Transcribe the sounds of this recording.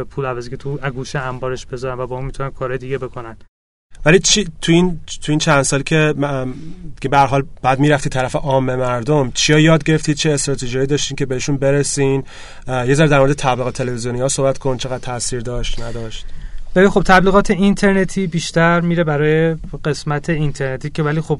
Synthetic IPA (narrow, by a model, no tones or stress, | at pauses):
epʰuːlævæzikʰʲet̪ʰuæɡuʃeæmbɒːɾeʃb̥e̞zɒːɾæmvæbɒːunmit̪unæmkʰɒːɾɒːjed̪iɟebe̞kʰonæn | vælit͡ʃʰit̪ʰuint̪ʰujiːnt͡ʃʰænd̪sɒːlicʲʰe̞ | d̪iɡebeæɾɦɒːlb̥ææd̪miːɾæft̪iːt̪ʰːæɾæfeʔɒːmːemæɾd̪omt͡ʃʰijɒjɒːd̪̚ɟe̞ɾeft̪iːd̪̥̚t͡ʃʰeːst̪ɾɒːt̪ʰeʒiɒjiːd̪ɒːʃt̪iːncʲʰe̞beeʃunbe̞ɾesiːn | jezæɾd̪æɾmoɾed̪et̪ʰæbliːɣɒt̪ʰelevezijonihɒːsohbæt̪kʰont͡ʃʰe̞ɣæd̪̚t̪ʰːæsiːɾd̪ɒːʃt̪næd̪ɒːʃt̪vælixo̞b̥̚t̪ʰæbliɣɒːt̪ʰe̞int̪ʰe̞ɾnet̪ʰiːbiːʃt̪æɾmiːɾebæɾɒːjeɢe̞smæt̪ʰe̞int̪ʰeɾnet̪ʰiːcevæliːxob̥